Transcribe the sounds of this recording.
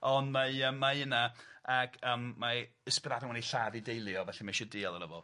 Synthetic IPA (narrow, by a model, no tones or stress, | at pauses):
ɔndmaəmːaənaaɡ̥əmːa | əspɛðadɔŋwɛniɬaðidejlˠjɔvɛɬɛmaʃɔdiːalˠəɾəvɔ